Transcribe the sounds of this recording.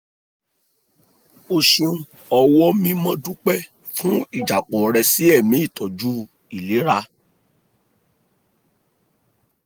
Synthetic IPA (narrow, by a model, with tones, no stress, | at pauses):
o˨ʃũ˨˧ | ɔ˧wɔ˦mĩ˦mɔ̃˦dũ˦k͡pɛ˦ | fũ˦i˦˨d͡ʒa˨k͡pɔ˨ɾɛ˧si˨˦ɛ˦˨mĩ˨˦i˦˨tɔ˨d͡ʒu˦ | i˨li˨˦ɾa˧